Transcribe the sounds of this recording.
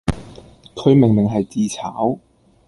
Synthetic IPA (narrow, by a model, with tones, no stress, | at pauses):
kʰɵ˨˧ɥmɪ˨˩ŋmɪ˨˩ŋɦɐ˨jt͡siː˧t͡sʰaː˨˥w